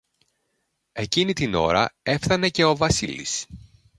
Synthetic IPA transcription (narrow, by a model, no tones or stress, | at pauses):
e̞cinit̪ino̞̰ɾɐ̰e̞fθɐne̞ce̞o̞vɐsilḭs